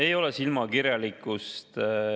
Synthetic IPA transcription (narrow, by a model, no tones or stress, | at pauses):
ejo̞lɛsilmɑkiɾjɑlikːˑust̪